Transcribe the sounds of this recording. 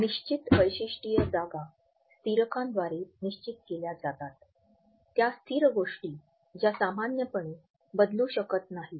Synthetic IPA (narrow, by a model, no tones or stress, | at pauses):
niɕt͡ɕit̪ʋəjɕiʂʈijəd͡zaɡa | st̪iɾəkãnd̪ʋaɾeniɕt͡ɕit̪̚keljad͡zat̪at̪ː | jast̪ʰiːɾəɡoʂʈiː | d͡ʑjasamanjəpəɳe | bəd̪luɕəkət̪naɦi